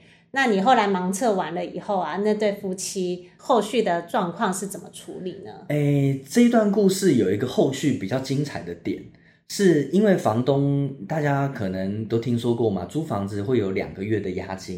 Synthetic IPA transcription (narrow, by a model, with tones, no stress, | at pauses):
na˥˩ni˨˩xo˥˩ʊla˧˥ɪmɑ˧˥ŋt͡sʰɤ˥˩wa˧˥nlə˧i˨˩xo˥˩ʊa˩na˥˧t̪we˥˩ɪfu˥t͡ɕʰi˥xo˥˧ʊɕy˥˩d̪ə˩ʈ͡ʂwɑ˥˧ŋkʰwɑ˥˧ŋʂɻ̩˥˩t͡sə˨˩mə˦ʈ͡ʂʰṵ˧˦li˨˩nə̰˩˦e˥˩ɪʈ͡ʂɤ˥˧i˧t̪wa˥˧nku˥˧ʂɻ̩˥˩jo˨˩ʊi˧˥ɡə˧xo˥˧ʊɕy˥˩pi˨˩t͡ɕjɑ˥˩ʊt͡ɕi˥ŋt͡sʰa˨˩ɪd̪ə˦t̪jɛ̰˨˩˦n | ʂɻ̩˥˩i˥nwe˥˩ɪfɑ˧˥ŋt̪ʊ˦ŋt̪a˥˩t͡ɕja˦kʰɤ˨˩nɤ˨˧˦ŋt̪o˥ʊt̪ʰi˦˥ŋʂwɔ˥kwɔ˥˩ma̰˨˩ʈ͡ʂu˥fɑ˧˥ŋd͡zɹ̩˧xwe˥˩ɪjo˧˥ʊljɑ̰˨˩ŋɡə˩ɥɛ˥˩d̪ə˩ja̰˥t͡ɕi˧˥ŋ